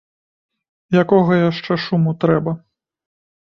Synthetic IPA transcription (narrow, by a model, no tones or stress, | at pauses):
jakɔɣɐjaʂt͡ʂɛʂumut̪ɾɛbɐ